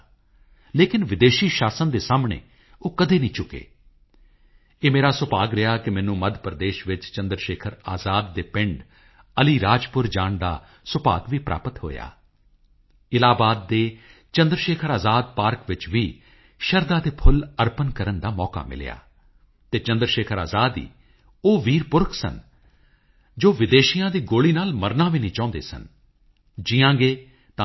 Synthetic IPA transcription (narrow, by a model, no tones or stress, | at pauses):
leːkɪnʋɪd̪eːʃiːʃaːsənd̪eːsaːmɳḛː | oːkəd̪eːnĩːt͡ʃʊkḛː | eːmeːɾaːsʊpaːɡɾɪɦaːkɪmɛ̃ːnũːməd̪ʱpəɾd̪eːʃʋɪt͡ʃt͡ʃənd̪ɾʃeːkʰəɾaːzaːd̪ːeːpɪ̃ɳɖ | əliːɾaːd͡ʒpʊɾd͡ʒaːɳd̪a̰ː | sʊpa̰ːɡʋiːpɾʔa̰ːpət̪ɦo̰ːja̰ː | ɪlaːbaːd̪̚ːeː | t͡ʃə̃nd̪ɾəʃeːkʰəɾaːzaːd̪̚paːɾkʋɪt͡ʃʋiː | ʃəɾd̪aːd̪eːpʰʊləɾpənkəɾənd̪aːmɔːka̰ːmɪ̰l̰ja̰ː | t̪eːt͡ʃə̃nd̪ɾəʃeːkʰəɾa̰ːzaːd̪ḭː | oːʋiːɾpʊɾkʰsə̰n | d͡ʒoːʋɪd̪eːʃijãːd̪iːɡoːliːnaːlməɾnãːʋiːnĩːt͡ʃãːnd̪ḛːsə̰n | d͡ʒɪjãːɡeː | t̪ãː